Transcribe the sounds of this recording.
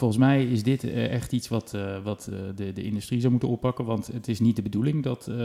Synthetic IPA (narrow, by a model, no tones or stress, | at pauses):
folˠχənsmɛjɪzdɪtɛχtitsʋɑtʋɑtdədəɪ̰ndystrizawmutənɔppːɑkənʋɑntətɪsnit̚dəbədulɪŋdɑt